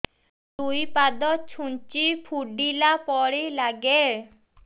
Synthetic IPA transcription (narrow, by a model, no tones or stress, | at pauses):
t̪ujpad̪ɔt͡ʃʰunt͡ʃipʰuɖilapɔɽelaɡe